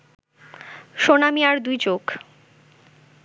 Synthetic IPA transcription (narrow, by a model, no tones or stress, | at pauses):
ʃonamiaɾd̪ujt͡ɕoɡ